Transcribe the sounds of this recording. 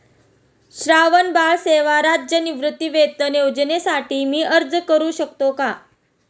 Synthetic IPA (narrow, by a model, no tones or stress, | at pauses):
ɕɾaʋənbaɭseʋaɾad͡ʑd͡ʑjəniʋɾɨt̪ːiʋet̪əned͡ʑnesaʈiːmiːʔəɾd͡zkəɾuːɕəkt̪oka